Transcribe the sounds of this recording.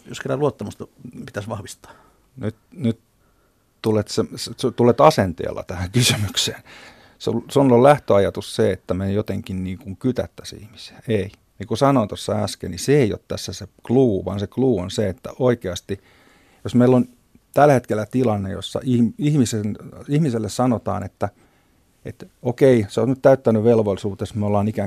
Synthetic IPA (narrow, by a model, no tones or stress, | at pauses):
jo̰sketːæluot̪ːɑmust̪ɑpit̪æsʋɑhʋist̪ɑ̥ː | nyt̪nyt̪ | t̪ulet̪sesst̪ulet̪ɑsent̪ḛːlːɑ̰t̪æhæŋkysymykseːn | sṵlsunolæht̪øɑjɑt̪usseet̪ːæmenjot̪eŋkinniːŋkuŋkyt̪æ̰t̪ːæsḭhmi̥seæei | nikusɑnoːnt̪osːɑæskḛlniseeio̰t̪t̪æ̰sːæsekluːʋɑ̰nsekluːonseet̪ːæ̰ʔoikeɑst̪i | josmeilːon | t̪ælhet̪kelːˑæt̪ilɑnːejo̰sːɑ̰iihmisenihmiselːessɑnot̪ɑ̰ːnet̪ːæ | ḛt̪okeiseosnyt̪t̪æyt̪ːænyʋelʋolisuːt̪esmeolːɑːnikæ